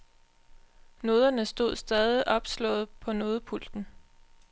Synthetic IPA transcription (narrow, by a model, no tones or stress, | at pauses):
no̝ːð̞ˠɐnəsd̥o̝ð̞̰ˠsd̥ɛːðˠiʔɒ̽b̥slɔ̰̽ːð̩ˠpʰɒ̽no̝ːð̞ˠəpʰul̰d̥n̩